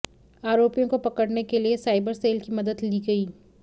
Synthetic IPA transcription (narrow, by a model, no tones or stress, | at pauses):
aːɾoːpijõkopɐkəɽnekeliesaːɪbəɾseːlkimɐd̪əd̪liːɡɐiː